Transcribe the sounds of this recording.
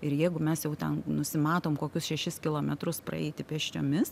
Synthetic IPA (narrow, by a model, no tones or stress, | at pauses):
ɪɾjɛɪɡʊmʲɛsjɛʊt̪ʲɛnnʊsʲɪmɑːt̪oːmkoːkʲʊsʃʲɛʃʲɪskʲɪlˠoːmʲɛt̪ɾʊspɾɐ̰ɛ̰ɪt̪ʲɪpʲɛʃʲt͡ʃʲo̰ːmʲɪs